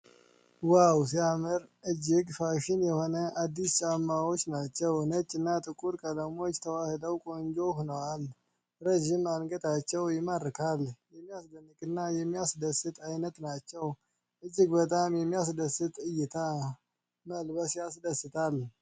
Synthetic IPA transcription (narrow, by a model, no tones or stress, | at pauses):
waws̬iamɨɾʔɨd͡ʒːɪɡfaʃɪnjɛho̞nəʔad̪ːist͡ʃʼamːawot͡ʃːnat͡ʃːɛwnət͡ʃʼːɨnːat̪ʼɨkʼuɾkʼələmo̞t͡ʃːt̪ʰəwahɨd̪əwkʼo̞nd͡ʒo̞hunəwal | ɾəʒimanɡət̪ʰat͡ʃːɛwjɪməɾkʰaljɛmːijasd̪ənːɨkʼɨnːajɛmːijasd̪əsːɨt̪ʼajnət̪nat͡ʃːɛw | ʔɨd͡ʒːɪɡbət̪ʼamjɛmːijasd̪əsːɨt̪ʼɨjːɪt̪ʰa | məlbəsjasd̪əsːɨt̪ʰal